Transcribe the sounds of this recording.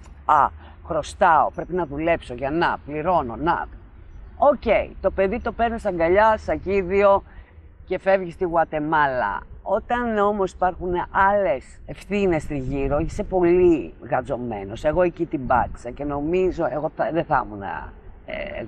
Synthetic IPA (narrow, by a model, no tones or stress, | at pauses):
ɐ | xɾo̞st̪ɐopɾe̞pinɐðule̞pso̞ʝɐnɐpliɾo̞no̞nɐ̰ | oce̞ḭt̪o̞pe̞ðit̪o̞pe̞ɾnest̪ɐŋɡɐʎɐsɐciðio̞ | ce̞fe̞vʝist̪iɣwɐt̪e̞mɐlɐ̰o̞t̪ɐno̞mo̞si̥pɐɾxunʔɐle̞se̞fθine̞st̪iʝiɾoeçi̥sepo̞liɣɐzo̞me̞̰no̞se̞ɣo̞ecit̪ibɐ̰t̪i̥sɐce̞no̞mizo̞eɣo̞θɐðeθɐ̰munɐ̰ḛ